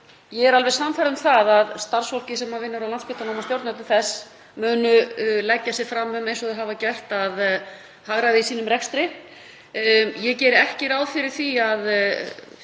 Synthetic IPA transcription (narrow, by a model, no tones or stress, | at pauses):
jɛɣɛɾalvɛɾ̥samːfaɾʏmθaðaðst̪ar̥sfol̥cɪsɛmhavɪnːʏɾawlant̪spɪ̥t̪anɔːmast̪jowɾt̪nœt̪ʏθɛsː | mʏːnʏlɛcːasɛ̥fɾamːʏmejnsɔðɪɦaːvacɛht̪að | haɣɾaðɪisiːnʏmrɛkst̪ɾɪ | jɛcɛːɾɪɛhcɪɾaːwðfɪɾɪɾ̥θiað